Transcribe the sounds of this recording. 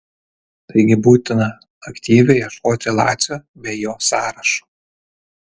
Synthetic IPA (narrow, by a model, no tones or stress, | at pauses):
t̪ɐɪɡʲɪbuːt̪ʲɪnɐ | ɐkt̪ʲiːʋʲɛjɛʃkoːt̪ʲɪlˠɑ̰ːt̪sʲoːbʲɛːjoːsɑːɾɐʃo̥ː